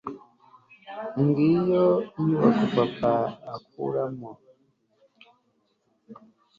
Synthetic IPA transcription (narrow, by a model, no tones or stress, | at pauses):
ŋɡijɔiwakupapaak̚ṵɾamɔ